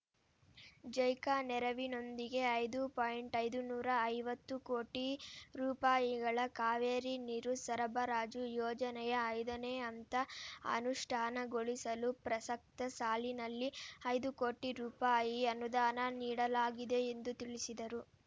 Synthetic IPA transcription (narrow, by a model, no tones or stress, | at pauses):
d͡ʒɐjkaːnɛɾɐʋino̞nd̪iɡe̞ɐjd̪upaːjiɳʈɐjd̪unuːɾɐːjʋɐt̪ːukoːʈiɾuːpaːjiɡɐɭɐkaːʋeːɾiniɾusɐɾɐbɐɾaːd͡ʒujɔːd͡ʒɐnɛjɐːjd̪ɐneɐnt̪ɐɐ̰nuʂʈʰaːnɐɡoɭisɐlupɾɐsɐk̚t̪ɐsaːlinɐlːiɐjd̪uko̞ːʈiɾuːpaːjiɐnud̪aːnɐniːɽɐlaːɡid̪e̞ːnd̪ut̪iɭisid̪ɐɾu